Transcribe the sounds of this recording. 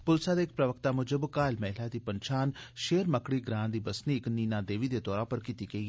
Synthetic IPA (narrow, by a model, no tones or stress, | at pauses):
pʊlsaːd̪eːɪk̚pɾəʋəkt̪aːmʊd͡ʒəbkaːlmɛːɪlaːd̪iːpənt͡ʃʰaːnʃeːɾməkɽiːɡɾãːnd̪iːbəsniːɪkniːnãːd̪eːʋiːd̪eːt̪ɔːɾãːpəɾkiːt̪iːɡəiːɛː